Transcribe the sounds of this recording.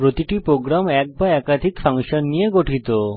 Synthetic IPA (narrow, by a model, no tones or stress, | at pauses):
pɾot̪iʈipɾoɡɾamɛk̚baɛkad̪ʱikfaŋʃonːijeɡoʈʰit̪o